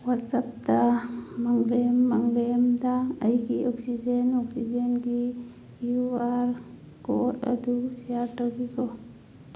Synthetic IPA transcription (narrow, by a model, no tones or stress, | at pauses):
watsap̚t̪amaŋlemːaŋlemd̪aːjɡiɔksid͡ʒenɔksid͡ʒenɡi | kiuaɾ | kɔ̰t̪a̰d̪usijaɾʈɔɡikɔ